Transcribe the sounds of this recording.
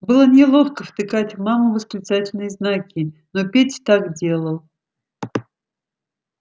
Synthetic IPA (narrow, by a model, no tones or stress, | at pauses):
bɨlˠənʲɪlˠo̞xkəft̪ɨkatʲvmamʊvəsklʲɪt̪satʲɪlʲnɨjəznakʲɪnopʲetʲt̪akdʲe̞lˠəlˠ